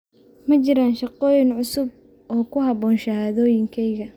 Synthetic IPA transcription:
mɐt͡ʃɪɾaːnʃɑqɔːjɪnʕʊsʊb̚ | ʔɔːkʰʊɦɑβɔːnʃɐhaːðɔːjɪŋkʰɛjɣɐ

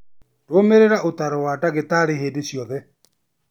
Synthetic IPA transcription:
twomeɾeɾaʔotaɾɔwadaɣetaɾeɦeːdeɕjɔðɛ

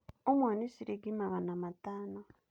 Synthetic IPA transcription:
omwaːnisiɾiɡimaɣanamataːno

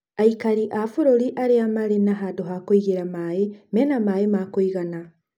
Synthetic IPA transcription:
aikaɾiʔafoɾoɾiʔaɾeamaɾenaɦadoɦakoiɣeɾamaːemɛnamaːemakoiɣana

